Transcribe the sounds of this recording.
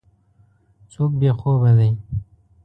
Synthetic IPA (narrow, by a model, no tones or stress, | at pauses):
t͡soːk̚bexoːbad̪aj